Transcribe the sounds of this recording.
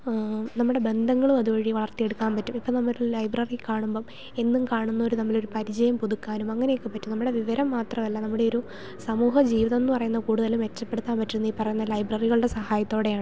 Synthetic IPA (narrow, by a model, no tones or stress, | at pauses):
nɐmːuɽe̞be̞nd̪ʱɐŋːɐɭumɐðubɐɻiʋɐɭɐrt̪ːije̞ɽukːaːnpɐtːumipːonɐmːɐɾulɐjbrɐrikaːɳumbo̞ː | e̞nːumkaːɳunːɐoɾunɐmːɐɭo̞ɾupɐɾid͡ʑɐjɐmpuðukːaːnumɐŋːɐne̞jokːɨpːɐtːunɐmːuɽe̞ʋiʋɐɾɐmːaːt̪rɐmɐlːɐnɐmːuɽe̞o̞ɾu | sɐmuːɦɐd͡ʑiːʋiðɐenːɨpɐrɐjunːɐkuːɽuðɐlumʋe̞t͡ɕːɐpːe̞ɽut̪ːaːnpɐtːiɾunːiːpːɐrɐjunːɐlɐjbrɐriɣɐɭuɽe̞sɐhaːjɐt̪ːo̞ːɽe̞jaːɳɨ